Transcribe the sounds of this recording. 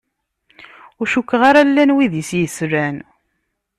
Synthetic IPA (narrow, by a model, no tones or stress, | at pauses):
ʊɾʃukːʁaɾalːænwiðəsjəsɾæn